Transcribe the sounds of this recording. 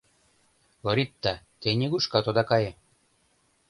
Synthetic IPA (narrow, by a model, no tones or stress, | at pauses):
loɾit̪ːɑ | t̪enʲeɡuʃkɑt̪od̪ɑkɑje